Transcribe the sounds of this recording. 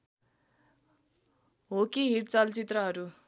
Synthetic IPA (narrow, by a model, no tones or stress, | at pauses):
ɦokiɦiɽt͡sʌlt͡sit̪rʌɦʌɾu